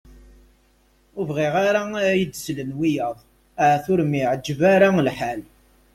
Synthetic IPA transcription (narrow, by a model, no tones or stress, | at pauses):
ʊvʁiʁaɾajəd̪slənwijəðˤ | ʕθʊɾmiʕəd͡ʒːəvaɾalħal